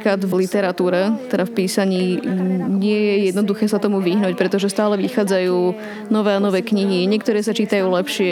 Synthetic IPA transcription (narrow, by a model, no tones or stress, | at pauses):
kad̪vlit̪ɛɾat̪uːɾɛt̪ɛd̪afpiːsaɲiːɲɪɛjɛjɛd̪nɔd̪uxɛːsat̪ɔmuʋiɦnuːc̚pɾɛt̪ɔʒɛst̪aːlɛʋixaːd͡zajuː | nɔʋɛːanɔʋɛːkɲiɦiɲɪɛkt̪ɔɾɛːsat͡ʃiːt̪ajuːlɛpʃɪɛ